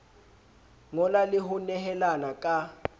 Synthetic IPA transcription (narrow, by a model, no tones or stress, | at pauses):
ŋɔlaliɦunɛɦɛlanakʼa